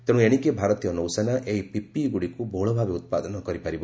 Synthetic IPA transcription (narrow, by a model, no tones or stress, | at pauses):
t̪eɽ̃eɽ̃ikebʱaɾɔt̪ijɔnɔwsenaʔeɦipipiɡuɽikubʱoɭɔbʱabeut̪̚pa̰d̪ɔnɔkɔɾipaɾibɔ